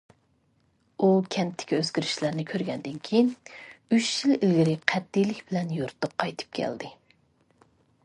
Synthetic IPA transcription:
ukʲʰɛnt̪ʰːɪ̥kʲʰiøz̥ɡʲiɾɪʃlæɾnɪkʲʰøɾɡʲɛnd̪ɪnkʲʰejinyt͡ʃjililɡʲiɾɪqʰæt̪̚ːijlɪkʲb̥ɪlɛnjuɾt̪ʰʊq̚qʰːɑjt̪ʰɨ̥p̚kʲʰɛ̰ld̪ɪ

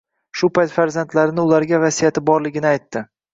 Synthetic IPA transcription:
ʃʊpajt̪faɾzant̪laɾɪnɪʊlaɾɡʲavasijat̪ɪbɒɾlɪɡʲɪnɪajt̪ːɪ

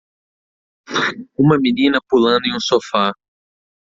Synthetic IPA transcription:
ũmɐminĩnɐpulɐ̃nd̪ʊẽũsofa

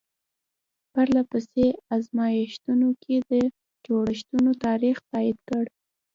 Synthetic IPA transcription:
paɾlapəseazmɑjaʃt̪unokʰed̪ə | d͡ʒoɽaʃt̪unot̪ɑɾixt̪ɑɪd̪kəɽ

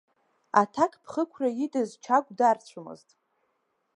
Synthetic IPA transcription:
a̰tʰakʰʼpʰχəkʷʰrajidʼɨzt͡ʃʰaɡʷʼdart͡ɕʷʰʊmɨ̰ztʼ

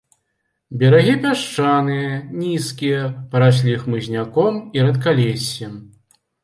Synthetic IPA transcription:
bʲɛɾaɣʲipʲaʂt͡ʂanɨjɐnʲiskʲijɛpɐɾaɕ̬ʲlʲixmɨzʲnʲakɔmiɾɐt̪kalʲesʲːɛm

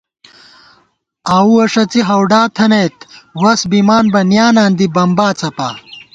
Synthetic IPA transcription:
aːuɐʂɐt͡siɦɐwɖaːt̪ʰɐnejt̪wɐsbimaːnbɐnjaːnaːnd̪ibɐmbaːt͡sɐpa̰ː

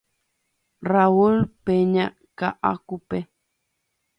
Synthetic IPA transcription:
raulpeɲa | kaʔa̰kupe

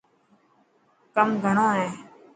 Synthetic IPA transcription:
kəmɡʱəɳõːɦɛ̃ː

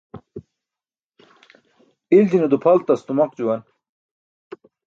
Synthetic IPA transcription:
ild͡ʑinud̪upʰɐlt̪ɐst̪umɐqd͡ʑuwɐn

